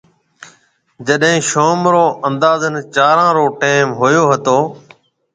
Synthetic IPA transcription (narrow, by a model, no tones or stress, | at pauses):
d͡ʒəɗɦẽːʃoːmɾoːʔənd̪aːzənt͡ʃaːɾãːɾoːʈeːmɦʊjoːɦət̪oː